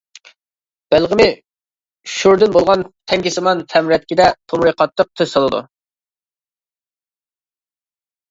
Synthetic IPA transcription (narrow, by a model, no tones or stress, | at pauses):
b̥ælˠʁɪmɪ | ʃuɾd̪ɪnbolˠʁɑnt̪ʰɛŋkʲisɨmɑnt̪ʰɛmɾɛt̪̚kʲid̪ɛt̪ʰomɾɨqʰɑt̪ːəq̚t̪ʰøsɑlˠɨd̪ṵ